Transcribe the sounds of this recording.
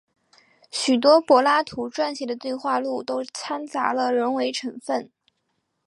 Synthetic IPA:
ɕy˨˩t̪̬wɔ˥pwɔ˧˥la˥t̪ʰu˧˥ʈ͡ʂwa˥˧nɕi˥˩d̪ə˩˦t̪we˥˧ɪxwa˥˧lu˥˩t̪o˥ʊt͡sʰa˥nt͡sa̰˧˥lə˧ɻə˧˥nwe˧˥ɪʈ͡ʂʰɤ˧˥ŋfə˥˩n

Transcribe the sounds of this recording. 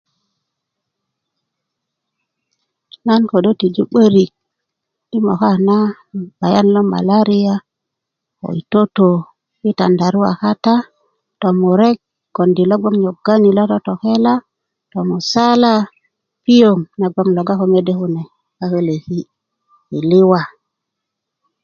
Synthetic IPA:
na˦nko˨do˦ti˨d͡ʒu˦ɓə˦ɾi˨k̚ | i˦mo̰˨ka˦˨na˦ | b̥a˨ja˦nlo˦ma̰˨la˦ɾi˦ja˦ | ko̰˨i˨to˦to˨ | wi˦ta̰˨nda˨ɾu˦wa̰˨xa˦ta˦ | to˨mu˨ɾe˦k̚ | ɡ̥o˨ndi˨lo˦ɡ͡bo˦ŋɲo˨ɡ̥a˦ɲi˨lo˦to˦to˨ke˦la˦ | to˨mu˨sa˦la˦ | pi˦jo˨ŋna˨ɡ͡bo˦ŋlo˨ɡa˦ko˦me˦de˦ku˦ne˨ | ka˦ke˦le˨si˦ | i˨li˦wa˨

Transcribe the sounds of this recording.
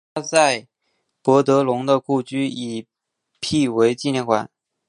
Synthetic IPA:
a˥t͡sa˥˩ɪ | pwɔ˧˥t̪ɤ˧˥lʊ˧˥ŋd̪ə˧ku˥˩t͡ɕy˥i˨˩ | pʰi˥˩we˧˥ɪt͡ɕi˥˧njɛ˥˩nkʰwa̰˨˩˦n

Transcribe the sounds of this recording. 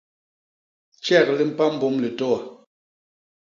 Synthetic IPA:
t͡ʃɛ˦˨k̚li˦m̩˨pa˦m̩˨bɔ˦mli˨tɔ˦a˨

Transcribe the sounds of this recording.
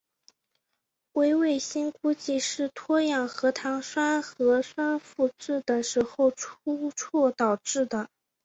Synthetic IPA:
we˥ɪwe˥˩ɪɕi˥nku˥t͡ɕi˥˧ʂɻ̩˥˩t̪ʰwɔ˥jɑ˥˩ŋxɤ˧˥t̪ʰɑ˧˥ŋʂwa˥nxɤ˧˥ʂwa˥nfu˥˧ʈ͡ʂɻ̩˥˩d̪ə˩ʂɻ̩˧˥xo˥˧ʊʈ͡ʂʰu˥ʈ͡ʂʰwɔ˥˩t̪ɑ˨˩ʊʈ͡ʂɻ̩˥˩d̪ə˩

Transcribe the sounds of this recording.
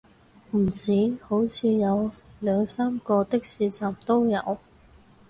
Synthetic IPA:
m̩˨˩t͡siː˨˥ho˨˥wt͡sʰiː˧jɐ˨˧wlœː˨˧ŋsaː˥mkɔː˧t̪ɪ˥k̚siː˨˧t͡saː˨mt̪o˥wjɐ˨˧w

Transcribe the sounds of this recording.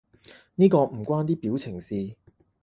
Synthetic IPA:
niː˥kɔː˧m̩˨˩kʷwaː˥nt̪iː˥piː˨˥wt͡sʰɪ˨˩ŋsiː˧

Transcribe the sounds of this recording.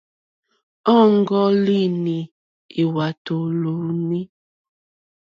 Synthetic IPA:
ɔ˦˨ŋ˦ɡɔ˦li˦˨ni˨ | i˨wa˨to˨lu˨ni˦

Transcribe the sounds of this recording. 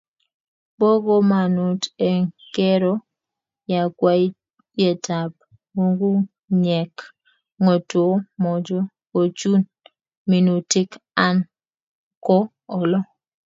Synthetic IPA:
bo˦ɡo˦ma˨nu˨te˨ŋke˦ɾo˦ | ja˨kwa˦i˦ | je˨tʰa˨p̚ | mo˦ŋɡu˦ | ɲɛ˨k | ŋo˨two˦mɔ˨d͡ʒɔ˦ | o˨t͡ʃu˦n | mi˨nu˨tɪ˦ka˦n | kɔ˦ | ɔ˨lɔ˦

